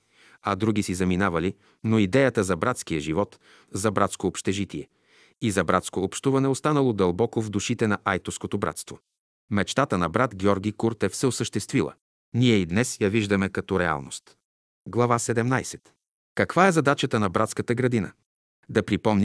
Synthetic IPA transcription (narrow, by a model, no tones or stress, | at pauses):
ɐd̪ɾuɡ̟isizɐminavɐli | noid̪ɛjət̪əzɐbɾat̪skijəʒivɔt̪ | zɐbɾat̪skoːpʃt̪ɛʒit̪iɛ | izɐbɾat̪skoːpʃt̪uvɐnɛost̪anəlˠod̪ɐlˠbɔkovd̪uʃit̪ɛnɐʔajt̪ʊfskot̪obɾa̰t̪st̪vo | mɛt͡ʃt̪at̪ənɐbɾat̪ɡʲɔɾɡʲikuɾt̪ɛfsɛosəʃt̪ɛst̪vilˠə̰ | niɛid̪nɛsjɐviʒd̪ɐmɛkɐt̪ɔɾɛa̰lˠno̰st̪ | ɡlˠɐvasɛd̪ɛmnajsɛt̪ | kɐkvaɛzɐd̪at͡ʃət̪ənɐbɾat̪skət̪əɡɾɐd̪inə̰ | d̪ɐpɾipɔmnʲ